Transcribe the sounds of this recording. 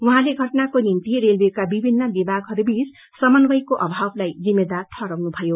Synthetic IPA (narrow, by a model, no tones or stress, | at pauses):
uɦãleɡʱʌʈnakonint̪iɾelbʱekabibʱinːʌbibaɡɦʌɾubis | sʌmʌnɡʌjkoʔʌbʱablajd͡zimːed̪art̪ʰʌɾʌwnubʱʌjo